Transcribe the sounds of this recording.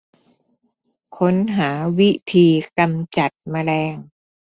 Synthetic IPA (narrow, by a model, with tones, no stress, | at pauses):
kʰo˦˥nɦaː˩˦wi˦˥t̪ʰiː˧ka˧mt͡ɕa˨˩t̪̚maː˧lɛː˧ŋ